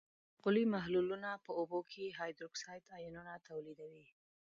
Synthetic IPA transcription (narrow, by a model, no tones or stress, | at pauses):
ɣʊlimaɦlulunapəobokʰeɦɑjd̪ɾʊksɑjt̪ɑjununat̪ʰawlid̪awi